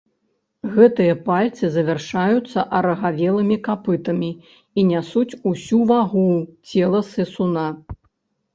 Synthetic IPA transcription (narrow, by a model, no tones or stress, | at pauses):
ɣɛt̪ɨjɐpalʲt̪sɨzɐvʲɛrʂajut̪sːɐʔɐɾɐɣavʲɛlˠɨmʲikapɨt̪ɐmʲi | inʲasut͡sʲusʲuvaɣut͡sʲɛlˠɐsɛsuna